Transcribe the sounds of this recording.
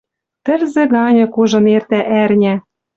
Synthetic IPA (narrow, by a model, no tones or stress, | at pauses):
t̪ɘ̆rzĕɣɑnʲɤ̆kuʒɤ̆nert̪æʔærnʲæ